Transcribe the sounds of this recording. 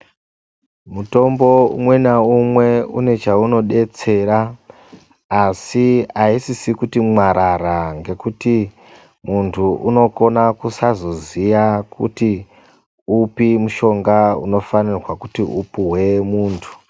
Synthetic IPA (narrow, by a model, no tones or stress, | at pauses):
muto̞mbo̞ṵmwe̞naumwe̞ṵne̞t͡ʃauno̞ɗe̞t͡se̞ɾa | siaisisikutimwaɾaɾaŋɡe̞kuti | muntʰuʔuno̞ko̞nakusazozijakʰṵti | upimuʃo̞ŋɡaṵno̞fanirwakutiupuɦwe̞muːntʰu̥